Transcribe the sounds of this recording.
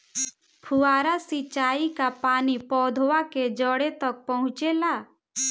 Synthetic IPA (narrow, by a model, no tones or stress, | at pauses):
pʰuaːɾasit͡ʃaːikapaːnipɔːd̪ʱwaked͡ʒəɽet̪ək̚pəɦʊ̃t͡ʃelaː